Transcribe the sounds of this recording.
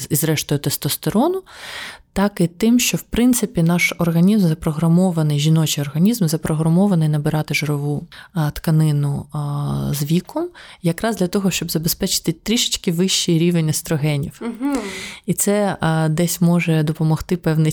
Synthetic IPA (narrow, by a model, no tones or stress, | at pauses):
izɾɛʃt̪ɔjʊt̪ɛst̪ɔst̪ɔɾɔnʊt̪ɑkɪt̪ɪmʃt͡ʃɔwpɾɪnt̪sɪpʲinɑʃɔrɣɐnʲizmzɐpɾɔɦɾɐmɔʋɐnɪjʒʲinɔt͡ʃiɔrɣɐnʲizmzɐpɾɔɦɾɐmɔʋɐnɪjnɐbɪɾɑt̪ɪʒoɾɔʋut̪kɐnɪnʊ | zʋʲikɔmjɐkɾɑzd̪lʲɐt̪ɔɦɔʃt͡ʃɔbzɐbespɛt͡ʃɪ̥t̪ɪt̪ɾʲiʃɪ̥t͡ʃkɪʋɪʃt͡ʃːiɾʲiʋenʲːɐst̪ɾɔɦɛnʲiw | it̪sɛd̪ɛsʲmɔʒɛd̪ɔpɔmɔxt̪ɪpɛwnɪ